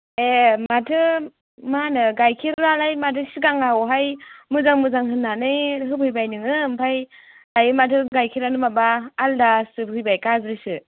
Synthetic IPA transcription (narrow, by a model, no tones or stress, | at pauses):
ematʰɯ | manɯɡajkʰiɾɾalajmatʰɯsiɡaŋawɦajmɯzaŋmɯzaŋɦɯnːanɯjɦɯbɯjbajnɯŋɯmpʰaj | dajɯmatʰɯɡajkʰiɾanɯmabaːldasɯbɦɯjbajkazɾɯsɯ